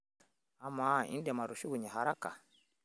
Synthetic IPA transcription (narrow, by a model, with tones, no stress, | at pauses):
a˦mːa˦ḭ˦ndɛ˨ma˨ɾu˨ʃu˦ɡu˨ɲi˨ɦa˨ɾa˦ka̰˨